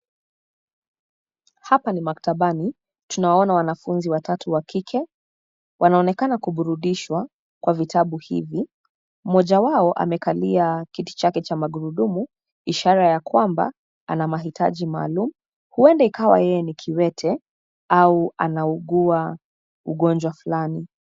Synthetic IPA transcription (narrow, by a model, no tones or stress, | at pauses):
hapanimaktaɓani | tunawaɔnawanafunziwatatʰuwakʰikʰɛ | wʔanaɔnɛkanakuɓuɾuɗiʃwa | kwavitʰaɓuhḭvi | m̩mɔʄawaɔʔa̰mɛkaliakiti̥t͡ʃakɛt͡ʃamaɠuɾuɗumu | iʃaɾajakwamba̰ | a̰namaɦitʰa̰ʄima̰ːlumu | huɛndɛikawa̰jɛjɛnikʰiwɛtʰɛ | aua̰nauɠua | uɠɔnd͡ʒwafulani